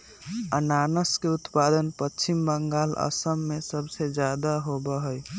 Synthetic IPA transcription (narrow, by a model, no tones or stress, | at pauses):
ənanəskeut̪pad̪ənpət͡ʃʰimbəŋɡalə̰səmːesəbsed͡ʒjad̪aɦobəɦəj